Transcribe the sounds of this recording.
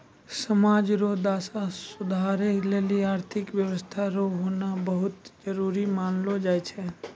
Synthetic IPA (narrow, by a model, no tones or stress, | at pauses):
səmaːd͡ʒɾoːd̪aːsasʊd̪ʱaɾeleːliaːɾt̪ʰɪkʋjəwəst̪ʰaɾoɦoːnabəɦʊt̪d͡ʒəɾuːɾimaːnlod͡ʒaːjt͡ʃʰɛ